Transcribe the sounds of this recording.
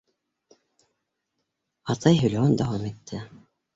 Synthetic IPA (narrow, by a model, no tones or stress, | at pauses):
ɑt̪ɑjɦɵ̆lʲwond̪ɑwɑmet̪ːɘ